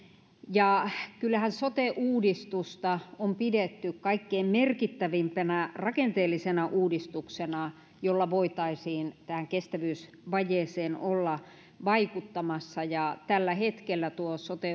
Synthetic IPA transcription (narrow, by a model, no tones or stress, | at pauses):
jɑkylːæhænsot̪eʔuːdist̪ust̪ɑompidet̪ːykkɑikːeimmerkit̪ːæʋimpænærɑkent̪eːlːˑisenɑʔuːdist̪uksenɑ | jolːɑʋoit̪ɑisiːnt̪æhæŋkest̪æʋyːs | ʋɑjeːseːnolːɑ | ʋɑikut̪ːɑmɑsːɑjɑt̪ælːæhet̪kelːæt̪uosot̪e